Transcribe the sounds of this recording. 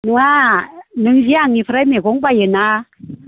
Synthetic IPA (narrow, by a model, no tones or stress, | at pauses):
nuanɯŋziaŋipʰɾameɡɔŋbajɯna